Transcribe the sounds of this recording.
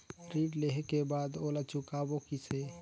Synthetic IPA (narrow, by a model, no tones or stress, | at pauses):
ɾiːɖleɦekebaːd̪oːlat͡ʃʊkaːbokise